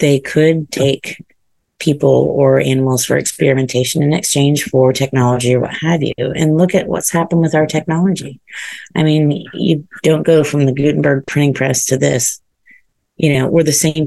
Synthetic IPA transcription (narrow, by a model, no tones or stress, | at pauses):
ðeɪkʰɨd̚tʰeɪk | pʰipl̩ˠə˞ʔænəm̩l̩ˠz̥fə̰˞ɨ̰kspɛ̰ɹɨmɨ̃ntʰeɪʃɨ̃nɨ̃nɨkst͡ʃʰẽɪ̃nʒ̥fə˞tʰɛk̚nɑlˠəd͡ʒiə˞wʌ̰t̚hɨvjʉ̰ɨ̰̃nlʊkɨʔ̚wʌ̰tshæpə̃n̩wɨðaʊə˞tʰɛk̚nɑlˠəd͡ʒiaɪmĩnjɨ̰d̥õʊ̃nɡ̥oʊfɹʌ̃mðɨɡʉʔn̩bə˞ɡ̚pʰɹ̥ɪ̃ɾɪ̃ŋpʰɹ̥ɛstʰɨðɪ̰s | jʔɨnoʊwʔə˞ðɨsẽɪ̃m